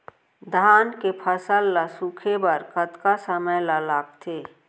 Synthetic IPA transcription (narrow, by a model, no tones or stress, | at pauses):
d̪ʱaːnkepʰəsəlːasukʰebəɾkət̪kasəməjlalaːɡt̪ʰeː